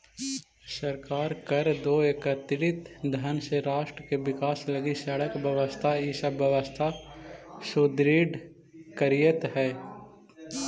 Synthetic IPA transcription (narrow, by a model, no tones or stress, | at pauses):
səɾkaːɾkəɾd̪oːekət̪ɪɾɪt̪d̪ʱənseɾaːʃʈɾəkeʋɪkaːsləɡisəɽəkbəʋəst̪ʰaiːsəbəʋəst̪ʰa | sud̪ɾiɖ | kəɾijət̪ɦɛː